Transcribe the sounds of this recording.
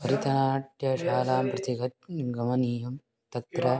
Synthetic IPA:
ɐɾit̪ɐnaːʈjɐʃaːlaːmpɾɐt̪iɡɐt̪̚ɡɐmɐniːjɐm | t̪ɐt̪ɾɐ

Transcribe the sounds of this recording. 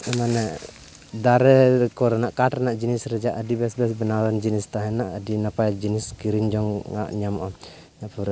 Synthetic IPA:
əmanɛ | daɾɛkɔɾɛnaʔkaʈnaʔd͡ʒinisɾəd͡ʒaʔadibɛsbɛsbənaɾɔnd͡ʒinist̪aɦɛnaʔadinapajd͡ʒiniskiɾiŋd͡ʒɔŋːa̰ʔɲamʔɔ | naʔpuɾ

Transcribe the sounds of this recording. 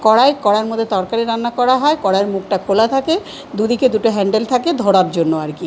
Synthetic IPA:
kɔɽaekɔɽaeɾmod̪ʱːet̪ɔɾkaɾiɾanːakɔɾaɦɔekɔɽaeɾmuk̚ʈakʰolat̪ʰake | d̪ud̪iked̪uʈoɦɛɳɖelt̪ʰaked̪ʱoɽaɾd͡ʑonːoaɾki

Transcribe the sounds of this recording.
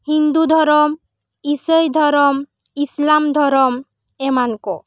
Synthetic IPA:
hind̪ud̪ʱɔɾɔm | isəjd̪ʱɔɾɔm | islamd̪ʱɔɾɔm | emankɔ

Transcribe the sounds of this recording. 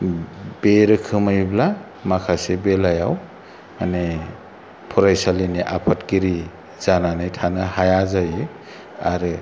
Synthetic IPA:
beɾɯkʰɯmajbla | makʰasebelajaw | mane | pʰuɾajsaliniʔapʰatkiɾi | zananajtʰanɯhajazajɯ | aɾɯ

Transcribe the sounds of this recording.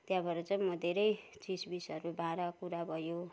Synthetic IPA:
t̪jãbʱʌɾʌt͡saj̃mʌd̪ʱeɾʌjt͡sisbisʌɾubʱãɾakuɾabʱʌjo

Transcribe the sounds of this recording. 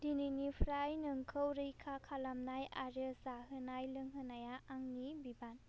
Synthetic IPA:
d̥ininipʰɾajnɯŋkʰɯwɾɯjkʰakʰalamnajaɾɯsaɦɯnajlɯŋɦɯnajaːŋnibiban

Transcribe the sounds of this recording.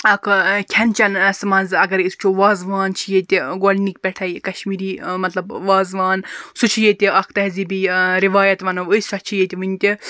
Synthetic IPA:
ɐkʰkʲʰɐnt͡ʃɐnɐsmɐnzɐɡɐɾist͡ʃʰuʋaːzʋaːnt͡ʃʰijet̪ʲiɡolʲnikpʲɛʈʰɐjkɐʃmiːɾiːmɐt̪lɐbʋaːzʋaːnsut͡ʃʰijet̪ʲiɐkʰt̪ɐɦzibiɾiʋaːjɐt̪ʋɐnɐʋəsɐt͡ʃʰijet̪ʲiʋɨnʲt̪ʲi

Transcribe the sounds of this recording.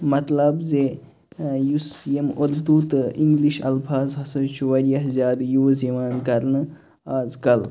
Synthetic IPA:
mɐt̪lɐbze | jusijemoɾd̪uːt̪iŋɡliʃɐ̰lpʰaːzɦɐsɐt͡ʃʰuʋɐɾjɐɦzʲaːd̪joːzeʋaːnkɐɾnɨ | aːzkɐl

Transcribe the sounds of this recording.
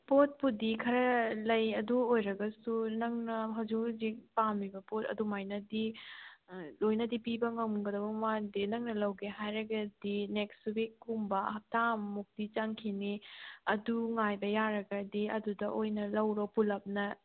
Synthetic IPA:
pot̚pudikʰɐɾɐlɐjɐduojɾɐɡɐsunɐŋnɐɦɐwd͡ʒukzipamibɐpotɐ̰dumajnɐdi | lojnɐdipibɐŋɐmɡɐdɐbɐwadinɐŋnɐlɐwɡeɦajɾɐɡɐdinekstwikːumbɐɐɦɐp̚tammuk̚d̥it͡ʃɐŋkʰiniɐduŋajbɐjaɾɐɡɐdiɐdudɐʔojnɐlɐwɾopulɐp̚nɐ

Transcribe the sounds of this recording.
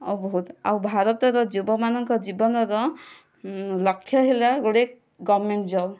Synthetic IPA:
ɔbɔɦut̪a̰wbʱaɾɔt̪ɔɾɔd͡ʒubɔmanɔŋkɔd͡ʒibɔnɔɾɔ | lɔkʰːjɔɦelaɡoɽek̚ | ɡɔmeɳʈd͡ʒɔb

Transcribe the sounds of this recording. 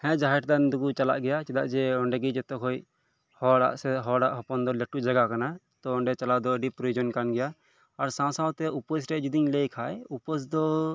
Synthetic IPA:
hɛ̃d͡ʒaɦɛʈd̪and̪uɡut͡ʃala̰ʔɡɛjat͡ʃɛd̪a̰ʔd͡ʒɛɔɳɖɛɡid͡ʒɛt̪ɔkʰɔj | hɔɽa̰ʔsɛɦɔɽaʔɦɔpɔnd̪ɔlɛʈud͡ʒaɡakanat̪ɔɔɳɖɛt͡ʃalad̪ɔɖipɾɔjud͡ʒɔnkanɡɛjaː | ɾsãsãwt̪ɛupɔsɾɛd͡ʒud̪iɲlejkʰajupɔsd̪ɔ

